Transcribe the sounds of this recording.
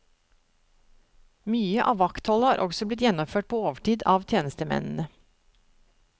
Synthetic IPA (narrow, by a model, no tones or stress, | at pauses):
myːəʔɑːʋɑkt̪hɔləhɑːɾʔɔɡsɔblɪt̪jɛnɔmføːʈ̚pʰoːoːʋəʈiːd̪ɑːʋt̪ʰjeːnəst̪əmɛ̰nn̩ə